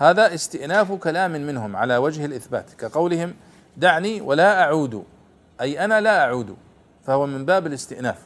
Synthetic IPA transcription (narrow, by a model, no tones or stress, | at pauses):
haːðaʔɪst̪ɪʔnaːfkalaːmmɪnɦʊmʕa̰lawad͡ʒhalʔɪθba̰ːt̪kaqɑwlɪhɪm | d̪aʕniwʔalaʔaʕuːd̪ṵ | ʔajʔanalaʔaʕuːd̪ṵ | fahʊwamɪmbaːbɪlɪst̪ɪʔnaːf